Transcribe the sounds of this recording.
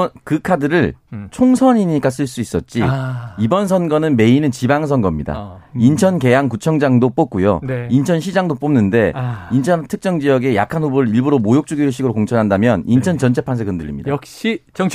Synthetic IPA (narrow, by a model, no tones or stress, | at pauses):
kɯkʰadɯɾɯɭt͡ɕʰoŋsʰʌɲiɲik͈as͈ɯɭs͈uis͈ʌt̚t͡ɕ͈iibʌns̬ʰʌnɡʌnɯnme̞inɯnt͡ɕibaŋs̬ʰʌnɡʌmɲida̰int͡ɕʰʌnke̞jaŋkut͡ɕʰʌŋd͡ʑaŋdop͈ok̚k͈ujo̰nint͡ɕʰʌnɕʰid͡ʑaŋdop͈omnɯnde̞int͡ɕʰʌntʰɯk̚t͡ɕ͈ʌŋd͡ʑiʌɡe̞ja̰kʰanɦubɯɾɯɾiɭbuɾomojok̚t͡ɕ͈uɡiɯɭɕ̬͈ʰiɡɯɾokoŋt͡ɕʰʌnɦandamjʌnint͡ɕʰʌnt͡ɕʌnt͡ɕʰe̞pʰansʰekɯndɯʎːimɲidaaɕi